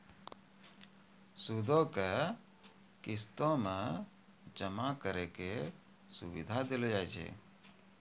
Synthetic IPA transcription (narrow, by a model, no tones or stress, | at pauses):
sud̪ʱoke | kɪst̪õmẽ | d͡ʒəmakəɾeke | sʊ̰ʋɪd̪ʱad̪elod͡ʒajd͡ʒḛː